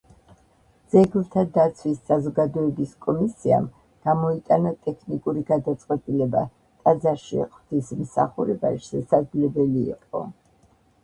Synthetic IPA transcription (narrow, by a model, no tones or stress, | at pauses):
d̪z̥ɛɡlˠt̪ʰad̪at̪sʰwisːazɔɡad̪ɔɛbiskʼɔmisia̰m | ɡ̥amɔit̪ʼanat̪ʼɛkʰnikʼuɾiɡad̪at̪sʼqʼwɛt̪ʼilɛba | t̪ʼad̪zaɾʃḭχʼt̪ʰismsa̰χuɾɛba̰ʃɛsaɡlɛbɛlḭːqʼɔ̰